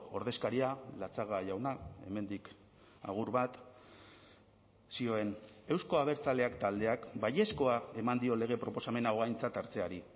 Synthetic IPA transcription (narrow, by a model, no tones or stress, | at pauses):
o̞ɾðe̞skaɾialat͡saɣ̞aʝawnae̞̰me̞nd̪ik | a̰ɣ̞uɾβat̪ | sio̞e̞ne̞wsko̞aβ̞e̞ɾt͡sale̞akt̪ald̪e̞akbaje̞sko̞ae̞mand̪io̞le̞ɣ̞e̞pɾo̞po̞same̞naoɣajnt͡sat̪aɾt͡se̞aɾi